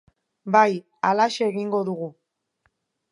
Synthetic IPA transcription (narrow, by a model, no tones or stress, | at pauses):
baj | alaʃeeɣiŋɡo̞ðuɣu